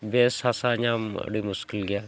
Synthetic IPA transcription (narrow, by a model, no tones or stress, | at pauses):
beːsasaːɲaːm̰ɽimʊskɪlɡɪjaː